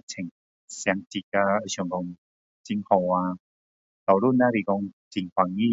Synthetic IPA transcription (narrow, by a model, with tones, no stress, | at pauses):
t͡ɕʰɛ˨˩ŋ | sjŋt͡ɕi˧ka˧ə˧ɕɔ˨˧˨ŋkɔ˧ŋ | t͡ɕi˧ŋhɔ˧˩wa˧ | t̪ɔ˨˩lu˥˩˨na˧ɾi˧˩kɔ˧ŋt͡ɕi˧ŋkwa˧ŋi˦˥˨